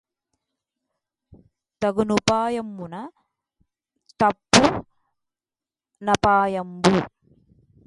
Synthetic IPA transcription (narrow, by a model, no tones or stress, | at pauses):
t̪ɐɡunupaːjɐmːunɐ | t̪ɐpːu | nɐpaːjɐmbu